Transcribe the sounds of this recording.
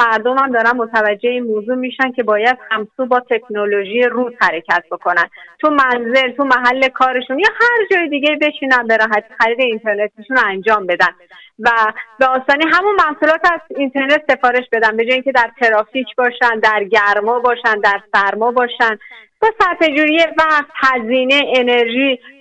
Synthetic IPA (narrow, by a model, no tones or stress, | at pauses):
mæɾd̪omhæmd̪ɒːɾænmot̪ʰævæd͡ʒːe̞eiːnmoːzuːmiːʃæncʰe̞bɒːjæd̪̥hæmsuːbɒːt̪ʰe̞kʰnoloʒiːjeruːz̥hæɾe̞cʰæt̪̚ʰbo̞kʰo̞nænt̪ʰumænze̞lt̪ʰumæɦælːe̞kʰɒːɾe̞ʃunjɒːhæɾd͡ʒɒːjed̪iːɟe̞ibe̞t͡ʃʰiːnænbe̞ɾɒːɦæt̪ʰiːxæɾiːd̪e̞int̪ʰe̞ɾne̞t̪ʰiʃunænd͡ʒɒːmbe̞d̪æn | væbeɒːst̪ɒːniːɦæmunmæhsuːlɒːt̪ʰæzint̪ʰe̞ɾne̞t̪se̞fɒːɾe̞ʃbe̞d̪ænbe̞d͡ʒɒːjiŋcʲʰe̞d̪æɾt̪ʰe̞ɾɒːfiːcʰbɒːʃænd̪æɾɟæɾmɒːbɒːʃænd̪æɾsæɾmɒːbɒːʃænb̥ɒːsæɾfe̞d͡ʒuːɾijevæxt̪hæziːne̞ene̞ɾʒiː